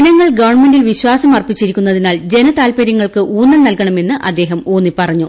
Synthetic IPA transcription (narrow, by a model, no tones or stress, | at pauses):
nɐŋːɐɭɡɐʋɐrɳme̞ɳɖilʋiɕwaːsɐmɐrpit͡ɕːiɾikʲːunːɐðinaːɭd͡ʑe̞nɐt̪aːlpɐɾjɐŋːɐɭkɨʔuːnːɐlnɐlkɐɳɐme̞nːɨʔɐd̪ːe̞ːɦɐmoːnːipɐrɐɲːu